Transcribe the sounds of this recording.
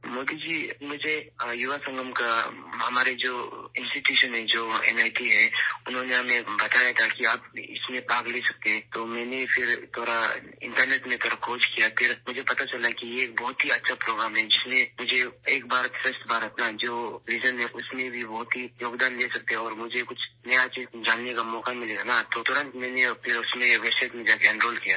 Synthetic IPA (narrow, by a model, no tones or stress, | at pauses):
moːd̪id͡ʒiːmʊd͡ʒʱejʊʋasə̃ŋɡəmkaɦɐmaːɾed͡ʒoːɪ̃nsʈiʈjuːʃənɦɛd͡ʒoːɛ̰ːnaːɪʈiɦɛʊnɦõneɦɐmẽbɐt̪aːjat̪ʰakiaːpɪ̰smẽpaːɡleːsɐk̚t̪eɦɛ̃ːt̪oːmɛ̃ːnefʰɪɾt̪ʰoːɾaɪ̰̃ɳʈəɾneːʈmẽt̪ʰoːɾakʰoːd͡ʒkijapʰɪɾmʊd͡ʒʱepɐt̪at͡ʃɐlakijeːk̚bɔɦt̪ɦiɐtːʃʰapɾoːɡɾaːmɦɛd͡ʒɪsmẽmʊd͡ʒʱeeːk̚bʱaːɾət̪fɾəsʈ̪bʱaːɾət̪nad͡ʒoːliːd͡ʒənɦɛʔʊsmẽbʱibɔɦt̪ɦijoːɡd̪aːnd̪eːsɐk̚t̪eɦɛ̃ɔːɾmʊd͡ʒʱekʊt͡ʃʰnɐjat͡ʃid͡ʒaːnːekamɔːkamɪleanat̪ot̪ʊɾə̃nt̪mɛ̃ːnepʰɪɾʊsmẽʋɛːsaɪʈmẽd͡ʒaːkeɐ̃ɳʈɾoːlkijaː